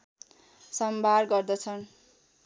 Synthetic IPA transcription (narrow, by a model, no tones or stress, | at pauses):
sʌmbʱaɾɡʌrd̪ʌt͡sʰʌn